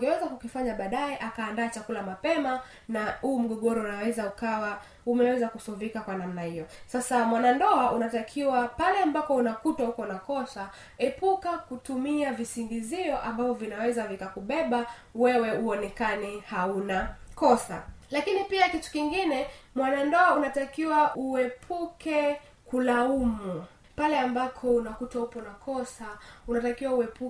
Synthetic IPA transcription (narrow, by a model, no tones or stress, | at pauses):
ŋɡɛwɛzakukifaɲaɓaːɗaɛʔakaːndaːt͡ʃakulamapɛma | nahuːm̩ɠɔɠɔɾɔunawɛzaukawa | umɛwɛzakusɔvikakwanam̩nahijɔsasamwanandɔaʔunatakʰiwapalɛambapɔunakutwahukɔnakɔsa | ɛpukakutumiavisiŋɡiziɔʔambavɔvinawɛzavikakuɓɛɓa | wɛwɛuɔnɛkanihaunakɔsa̰lakinipiakitu̥kiŋɡinɛmwanandɔaunatakiwaʔuɛpʰukʰɛ | kulaumu | palɛambapʰɔunakutwahupɔnakʰɔsaunatakiwauɛpu